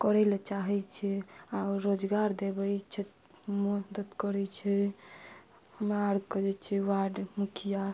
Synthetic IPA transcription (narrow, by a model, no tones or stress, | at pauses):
kɔɾɛlet͡ʃaɦɛt͡ʃʰɛauɾod͡ʒɡaɾd̪ebɛjt͡ʃʰɛ | mud̪ət̪kɔɾɛt͡ʃʰɛ | həmɾaɾɡkɔd͡ʒɛt͡ʃʰɛwaɖmukʰija